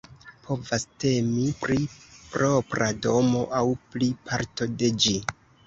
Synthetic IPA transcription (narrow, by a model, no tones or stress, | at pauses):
pʰo̞vaste̞mipɾipɾo̞pɾado̞mo̞ʔawplipʰaɾto̞de̞d͡ʒi